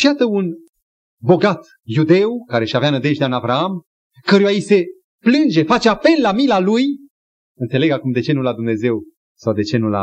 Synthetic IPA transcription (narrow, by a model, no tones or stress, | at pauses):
ʃijat̪əun | bo̞ɡat̪ | jud̪e̞wkaɾe̞ʃaveanəd̪eʒd̪eanavɾaam | kəɾujaise̞ | plɨnd͡ʒe̞fat͡ʃeape̞lːamilaluj | ɨnt̪se̞leɡakumd̪e̞t͡ʃe̞nulad̪umne̞ze̞w | sawd̪e̞t͡ʃe̞nula̰